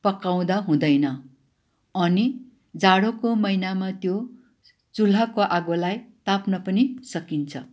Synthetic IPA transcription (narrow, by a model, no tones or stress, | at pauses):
pʌkaw̃d̪aɦũd̪ʌjnʌ | ʌni | d͡zaɽokomʌjnamat̪jo | t͡sul̤akoʔaɡolajt̪apnʌpʌnisʌkint͡sʰʌ